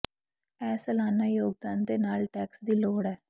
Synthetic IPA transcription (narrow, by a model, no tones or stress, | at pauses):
ɛːsəlaːnaːjoːɡ̚d̪aːnd̪eːnaːlʈɛːksd̪iːloːɽɛː